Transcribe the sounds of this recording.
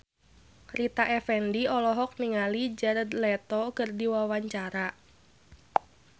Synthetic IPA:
rit̪aʔɛfɛndiɔlɔɦɔk̚niŋalid͡ʒaɾəd̪lɛt̪ɔkɨrdiwawaɲt͡ʃaɾa

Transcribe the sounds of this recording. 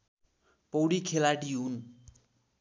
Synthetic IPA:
pʌwɽikʰelaʈiɦun

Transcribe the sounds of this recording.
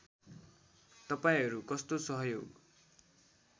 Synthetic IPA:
t̪ʌpaĩɦʌɾukʌst̪osʌɦʌjoɡ

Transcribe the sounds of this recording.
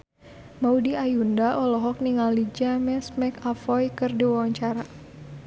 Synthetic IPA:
maudiajundaʔɔlɔɦɔk̚niŋalid͡ʒamɛsmɛkafɔjkɨrdiwawaɲt͡ʃaɾa

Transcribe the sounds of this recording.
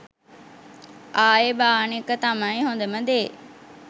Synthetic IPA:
aːebaːnekət̪ãːmãĩɦõːnd̪əmɐ̃nd̪eː

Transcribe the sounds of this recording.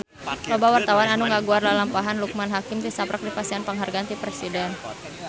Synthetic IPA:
lɔbawart̪awananuŋɡaɡuarlalampaɦanluk̚manɦakɪmt̪isapɾak̚dipasianpəŋɦarɡant̪ipɾɛsidɛn

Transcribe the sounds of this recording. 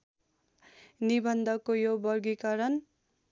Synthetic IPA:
nibʌnd̪ʌkojobʌrɡikʌɾʌn

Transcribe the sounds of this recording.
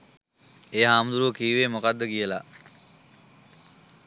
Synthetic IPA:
eːɦaːmd̪uɾuʋəkiːʋeːmokad̪ːəkijəla

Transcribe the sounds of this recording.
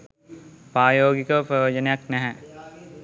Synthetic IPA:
pɾaːjoːɡikəpɾɐʋod͡ʒənəjaknɛɦɛ

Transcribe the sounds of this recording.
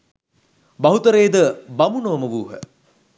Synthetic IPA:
baɦut̪əɾeːd̪əbamunəʋɐməʋuːɦə̰

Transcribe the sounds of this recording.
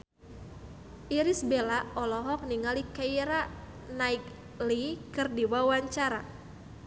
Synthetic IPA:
ʔiɾisbelaɔlɔɦɔk̚niŋalikaiɾa | naik | likɨrdiwawaɲt͡ʃaɾa

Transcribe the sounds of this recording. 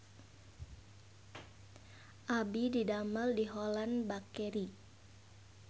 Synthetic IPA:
ʔabididaməldiɦolanbakɛɾi

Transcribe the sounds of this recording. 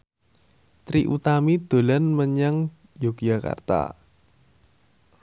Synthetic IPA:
t̪ɾiʔut̪amid̪̥o̤lanməɲaŋ | joɡd͡ʒaka̰rt̪a̰

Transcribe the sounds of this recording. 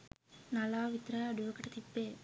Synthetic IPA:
nɐlaːʋɪt̪ɾɐɐɽuʋɐkɐʈːɐt̪it̪ːeː

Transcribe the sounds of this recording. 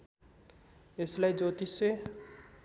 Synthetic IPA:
eslaid͡ʒot̪ise

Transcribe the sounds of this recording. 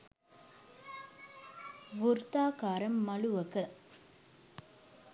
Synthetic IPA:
ʋuɾt̪aːkaːɾɐmːɐɭuʋɐkɐ

